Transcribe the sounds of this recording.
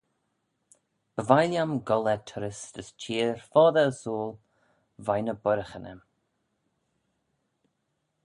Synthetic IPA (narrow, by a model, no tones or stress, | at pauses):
b̥əvajljamɡɔlɛt̪ʰʊɾəsd̪əst͡ʃʰiːɹfɔːðəəsoːl | vajnəbʊɾəxənə̰m